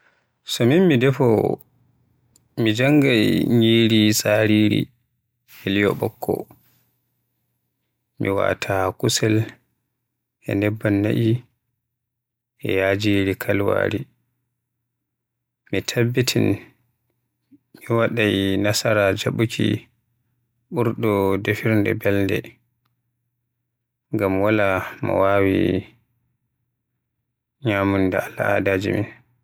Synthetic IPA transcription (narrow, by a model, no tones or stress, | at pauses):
sɔminmidɛfɔ | mid͡ʒaŋɡajɲiːɾisʼaɾiɾḭ | ɛlijɔ̰ɓɔ̰kʰːɔ̰ | miwa̰tʰakusɛl | ʔɛ̰nɛbːanːa̰ʔi | ʔɛjad͡ʒiɾikʰalwa̰ɾi | mitʰabːitʰin | miwaɗajnasaɾad͡ʒaɓukʰḭ | ɓuɾɗɔdefiɾndɛ̰bɛlndɛ | ŋɡamwalamɔ̰wawḭ | ɲamundɛalːa̰a̰dad͡ʒimḭn